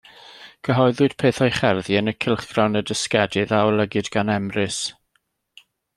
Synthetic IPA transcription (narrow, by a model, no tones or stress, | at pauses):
ɡ̥əɦɔɨðʊd̥pʰeːθɔjχɛrðiənəkʰɪlˠχɡ̥rawnədəskɛdɨðaɔlˠəɡɨdɡanɛmrɨs